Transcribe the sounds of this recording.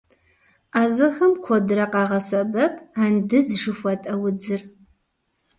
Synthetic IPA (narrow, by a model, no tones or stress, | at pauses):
aːzɨxɐmkʷʰɔdɨɾɐqɑːʁɐsɐbɐpʰʼaːndɨzʒɨfʷɔtʼɐwʊd͡zɨr